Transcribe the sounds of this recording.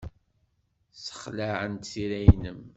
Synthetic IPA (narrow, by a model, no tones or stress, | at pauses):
sə̥χlaʕənt̪θiɾæjnəm